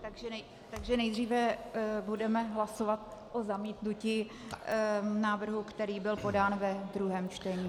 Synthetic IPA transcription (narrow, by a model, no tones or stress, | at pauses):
t̪aɡʒɛnɛ | t̪aɡʒɛnɛjd̪riːvɛbudɛmɛɦlasovat̪̚ʔozamiːt̪nuci | naːvr̩ɦukt̪ɛɾiːbɪlpo̞daːnvɛd̪ɾuɦɛːmt͡ʃt̪ɛɲiː